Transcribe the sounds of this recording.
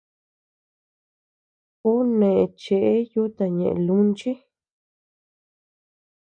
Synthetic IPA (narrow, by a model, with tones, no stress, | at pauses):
ku˦nẽ˨ʔẽ˧t͡ʃe˧˨ʔe˦ju˦t̪a˨ɲẽ˨ʔḛ̃˨lu˦nt͡ʃi˦